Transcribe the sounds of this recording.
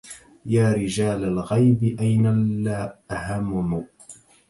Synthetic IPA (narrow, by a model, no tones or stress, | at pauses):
jaːɾɪd͡ʒaːlalɣajbɪʔajnaaːʔahamːʊmʊ